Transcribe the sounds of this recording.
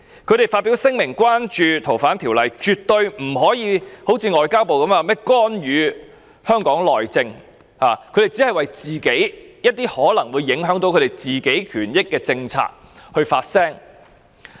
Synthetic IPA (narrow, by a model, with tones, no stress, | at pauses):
kʰɵ˨˧tɾe˨˩jfaː˧t̚pi˨˥wsɪ˥ŋmɪ˨˩ŋkwaː˥nt͡ʃyː˨t̪ʰo˨˩wfaː˨˥nt̪ʰiː˨˩wlɐ˨jt͡ʃyː˨t̚t̪ɵ˧ɥm̩˨˩ɦɔː˨˥jiː˨˧ho˨˥wt͡sʰiː˧ŋɔː˨jkaː˥wpo˨wkɐ˨˧˥maː˨˧mɛː˥kɔː˥nɥyː˨˧ | hœː˥ŋkɔː˨˥ŋlɔː˨jt͡sɪ˧ŋ | haː˨kʰd̪e˨˩jt͡si˨˥hɐ˨jwɐ˨jt͡siː˨ke˨˥jjɐ˥t̚t̪iː˥hɔː˨˥lɐ˨˩ŋwu˨˧jːɪ˨˥ŋɦœː˨˥ŋt̪o˧wkʰɵ˨˧t̪e˨˩jt͡siː˨˩ke˨˥jkʰyː˨˩njɪ˥kːɛː˧t͡sɪ˧ŋt͡sʰa̰ː˧k̚ | hɵ˧ɥfaː˧t̚sɛː˥ŋ